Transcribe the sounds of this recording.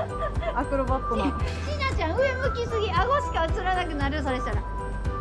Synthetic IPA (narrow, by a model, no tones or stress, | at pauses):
akɯ̟ɾobat̪ːonɕinat͡ɕãɰ̃ɯ̟emɯ̟kʲisɨɡʲiaɡoɕi̥kat͡sɨɾanakɯ̟naɾɯs̬aɾeɕt̪aɾa